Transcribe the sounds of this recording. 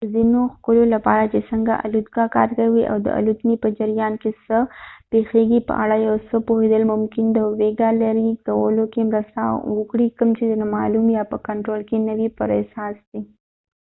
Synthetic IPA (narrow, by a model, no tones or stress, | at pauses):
d̪əzinoxkʊlolapɑɾat͡ʃesəŋɡa̰ʔa̰lut̪̚ɡakɑ̰ɾkawiʔa̰wd̪ə̰ʔa̰lut̪nipəd͡ʒaɾijɑnkesəpexeɡipə̰ʔaɽajawsəpoɦed̪əlmʊmkɪnd̪əweɡalaɾikawəlokemɾəst̪a̰wəkɽikəmt͡ʃed̪ənamɑlumjɑpəkaɳʈɾolkenəwipəɾḛsɑsd̪i